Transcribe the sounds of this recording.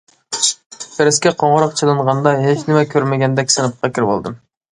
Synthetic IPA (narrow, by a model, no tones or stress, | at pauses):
pʰeɾɪskʲɛqʰoɴʁʊɾɑqt͡ʃʰilˠɨɴʁɑnd̪ɑɦet͡ʃnɪmɛkʲʰøɾmɪɡʲɛnd̪ɛkʲsɪnɨp̚qʰɑkʲʰiɾbo̰lˠd̪ɨm